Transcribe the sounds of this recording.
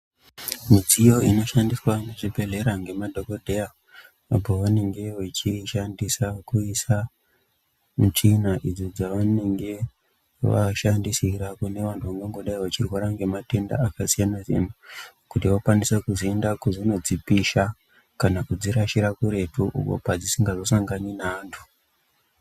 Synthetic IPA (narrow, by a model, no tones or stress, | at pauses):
mid͡zijo̞ino̞ʃandiswaneʐibʱe̞ɮe̞ɾaŋɡe̞madʱo̞ko̞dʱeja | apoʋane̞ŋɡe̞ʋet͡ʃiʃandisakuisa | mut͡ʃinaʔid͡zod͡zaʋane̞ŋɡe̞ | ʋa̰ʃandisiɾakune̞ʋantʰuʋaŋɡeŋɡo̞ɗaiʋat͡ʃirwaɾaŋɡe̞mate̞nda̰akasijanaʐḭn̤ukutiwakwanisakuziendakuʐino̞d͡zipiʃa | kanakud͡ziɾaʃiɾakuɾe̞tuʔṵko̰pad͡zisiŋɡazo̞saŋɡaninaːntʰu̥